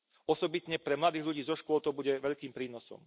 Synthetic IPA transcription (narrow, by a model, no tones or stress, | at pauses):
ɔsɔbit̪ɲɛpɾɛmlad̪iːɣʎuɟiːzɔʃkʊɔlt̪ɔbuɟɛʋɛʎkiːmpɾiːnɔsɔ̰m